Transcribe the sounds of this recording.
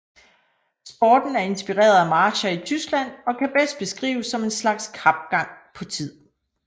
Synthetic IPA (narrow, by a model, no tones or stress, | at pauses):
sb̥ɒːd̥n̩æɐe̝nsb̥iʁḛːɐðˠæmɑ̈ːɕɐit͡sʰysɡ̥læn̰ɒ̽kʰæb̥esd̥̚b̥e̝sɡ̥ʁḭːʊsːɒ̽me̝nslɑ̈ɡ̥skʰɑ̈b̥ɡ̥ɑ̈ŋ̰pʰɒ̽t͡sʰið̰ˠ